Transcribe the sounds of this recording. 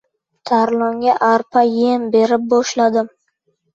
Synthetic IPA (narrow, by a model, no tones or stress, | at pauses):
t̪ʰaɾlˠɒŋɡʲaʔaɾpʰajenbe̞ɾɪp̚bɒʃlad̪ɪm